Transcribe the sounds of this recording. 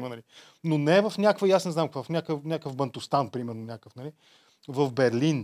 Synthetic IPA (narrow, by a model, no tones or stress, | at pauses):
mənɐli | nonɛɛvəfnʲakvəiasnɛzamkovfnʲakəfnʲakəvbənt̪ʊst̪anpɾimɛɾnonʲakəfnɐli | vəvbɛɾlin